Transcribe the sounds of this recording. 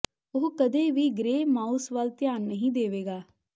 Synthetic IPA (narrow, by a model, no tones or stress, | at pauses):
ʊɦkəd̪eːʋiːɡɾeːmaːusʋəlt̪jaːnːəɦĩːd̪eːʋeːɡaː